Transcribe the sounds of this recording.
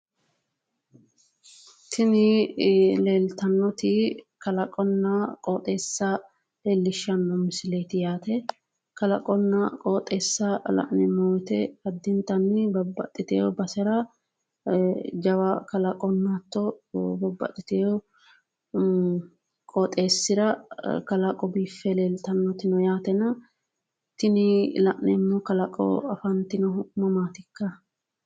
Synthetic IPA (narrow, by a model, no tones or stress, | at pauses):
t̪ʰɪnɪ | leːlt̪ɐnːɔt̪ɪ | kɐlɐkʼɔnːakʼoːt̪ʼeːsːɐ | leːlːɪʃːɐnːɔmɪsɪleːt̪ɪjaːt̪ɛ | kɐlɐ̰kʼɔnːɐkʼoːt̪ʼːeːsːɐlɐ̰ʔnɪmoːt̪ɛɐd̪ːɪnt̪ɐnːɪbɐbːɐ̰t̪ʼːɪt̪ḛːɔbɐsɛɾɐ | d͡ʒɐwɐkɐlɐkʼɔnːat̪ːɔbɐbːɐ̰t̪ʼːɪt̪eːjɔ | kʼɔt̪ʼe̞ːsːɪɾɐkɐlɐkʼɔbiːfːɛlelt̪ɐnːɔt̪ɪnɔjaːt̪ɛnɐ | t̪ɪnɪlɐʔnɛmːɔkɐlɐkʼɔ̰ɐfɐnt̪ɪnɔmɐmaːt̪ɪkːɐ